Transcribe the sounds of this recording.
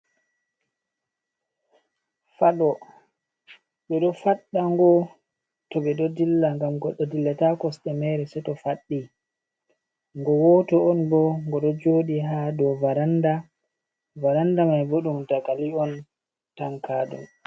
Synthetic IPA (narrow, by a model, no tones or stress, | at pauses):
faɗɔ | ɓɛɗɔfaɗːaŋɡɔ | tɔɓɛɗɔdilːaŋɡamɡɔɗːɔdilːatakɔsɗɛmɛɾɛsɛtɔfaɗːi | ŋɡɔwɔtɔɔnbɔŋɡɔɗɔd͡ʒoːɗiɦadɔvaɾanda | vaɾandamajboɗumdaɡaliɔn | taŋkaːɗṵm